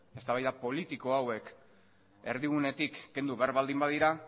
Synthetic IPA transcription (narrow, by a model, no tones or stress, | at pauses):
e̞st̪aβajðapo̞lit̪iko̞awe̞k | e̞ɾðiɣune̞t̪ikːe̞nd̪uβeaɾβald̪imbaðiɾa